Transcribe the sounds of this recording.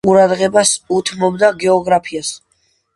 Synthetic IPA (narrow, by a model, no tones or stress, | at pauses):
uɾad̪ʁɛbasut̪ʰmɔbd̪aɡɛɔɡɾapʰias